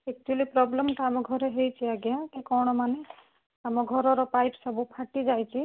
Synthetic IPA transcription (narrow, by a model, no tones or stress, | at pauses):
ek̚t͡ʃuelipɾɔblemʈaamɔɡʱɔɾɔɦejt͡ʃʰiaɡjãkikɔwɳ̃ɔmane | amɔɡʱɔɾɔɾɔpajpsɔbupʰaʈid͡ʒajt͡ʃʰi